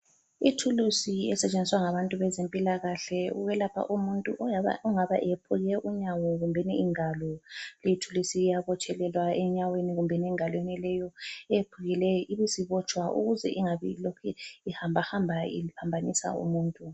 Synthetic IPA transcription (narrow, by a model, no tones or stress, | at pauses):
itʰulusiɛsɛt͡ʃʼend͡zʱiswaŋaβantʼuβɛzempʼilaɣaɬɛṵɣɛlapʰa̰ʔumuntʼṵʔɔaa̰uŋaβaʔɛjepʰuɣɛʔuɲaweniɣumbʱeniiŋalɔlijitʰulusiːjaβɔt͡ʃʰʼɛlɛlwaɛɲaweniɣumbʱɛniɛŋalwenilɛjɔɛjepʰuɣilɛɔʔiβisiβɔt͡ʃʼwaʔṵɣuzɛ̰ʔiŋaβḭlokʰɛihambʱahambʱaḭipʰambʱanisa̰ṵmuːntʼu